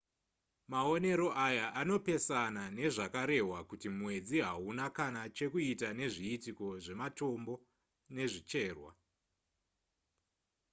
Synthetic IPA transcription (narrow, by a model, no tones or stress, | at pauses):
maone̞ɾo̞ʔajaʔano̞pe̞sanane̞ʐakaɾe̞ɦwakutimwe̞d͡ziɦaunakanat͡ʃe̞kuitane̞ʐiːtiko̞ʐe̞mato̞mbo̞ | ne̞ʐit͡ʃe̞ːrwa̰